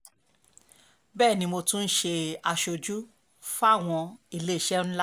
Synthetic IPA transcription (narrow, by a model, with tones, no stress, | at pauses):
bɛː˦˨nĩ˧mo˧tũ˦˧n̩˦ʃe˧a˧ʃo˧d͡ʒu˦ | fa˦˨w̃ɔ̃˧i˦˨le˦i˦˨ʃɛ˦n̩˦la˦